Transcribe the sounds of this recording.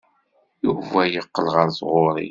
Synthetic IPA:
juvæjəqːəlʁəɾsʁʊɾˤḭ

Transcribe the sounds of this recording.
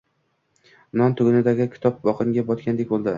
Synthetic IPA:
nɒnt̪ʰʊɡʲʊnɪd̪aɡʲɪkʲʰɪ̥t̪ʰɒp̚bɒqɨŋɡʲabɒt̪kʲand̪e̞k̚ʲbolˠd̪ɪ

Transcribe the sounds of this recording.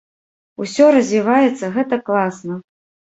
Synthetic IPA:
usʲɔɾɐzʲvʲivajɛt̪sːɐɣɛt̪ɐklˠasnɐ

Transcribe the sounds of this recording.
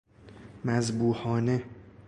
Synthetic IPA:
mæzbuːhɒːne

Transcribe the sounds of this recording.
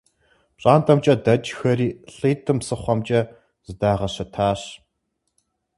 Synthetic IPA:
pɕʼaːntʰɐmt͡ʃʼɐdɐd͡ʒxɐriːɬɨːtʰɨmsɨχʷɐmt͡ʃʼɐ | z̥ɨdaːʁɐɕɐtʰaːɕ

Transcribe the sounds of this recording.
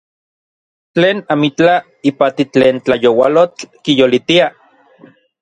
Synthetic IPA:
t͡ɬeːnamit͡ɬa | ipat̪it͡ɬeːnt͡ɬajowalot͡ɬkijolit̪ia

